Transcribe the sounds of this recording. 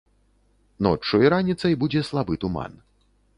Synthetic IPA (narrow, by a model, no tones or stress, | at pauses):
nɔ̰t͡ʂːujiɾanʲit̪sɐjbud͡zʲɛslˠabɨt̪uma̰n